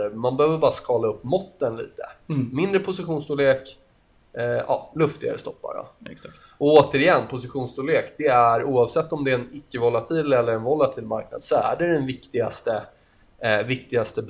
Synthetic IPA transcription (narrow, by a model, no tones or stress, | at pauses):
əmanbɛhøːvəɾbɑːɾaskɑːlaɵpːmɔt̪ːənlḭːt̪ə̰mɪnd̪ɾəpʰʊsɪɧuːnst̪uːleːk | ɑ̰ːlɵft̪ɪɡa̰ɾə̰st̪ɔpːa̰ɾɔ̰ɛsat | ɔoːt̪əɾɪjɛnːpʰʊsɪɧuːnst̪uleːkd̪ɛæɾuːɑvsɛt̪ːɔmd̪ɛɛnɪkːəvɔlat̪ʰiːlɛlːəɾɛnvɔlːat̪ʰiːlmaɾk̚na̰d̪sɔæ̰ɖɛd̪ɛnvɪkt̪ɪɡast̪ə | vɪkt̪ɪɡast̪əb